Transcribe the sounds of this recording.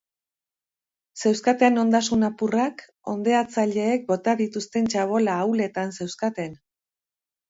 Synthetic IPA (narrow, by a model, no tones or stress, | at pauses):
se̞wskat̪eno̞nd̪asunapurak | o̞̰nd̪e̞at͡saʎe̞ːk̚bo̞t̪aðit̪ust̪e̞nt͡ʃaβ̞o̞laːwle̞t̪anse̞wskat̪e̞n